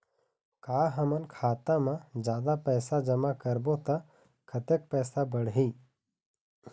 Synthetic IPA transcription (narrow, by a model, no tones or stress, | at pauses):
kaːɦəmənkʰaːt̪ãmãd͡ʒjaːd̪apɛːsad͡ʒəmakəɾbõt̪a | kʰət̪ek̚pɛːsabəɽɦiː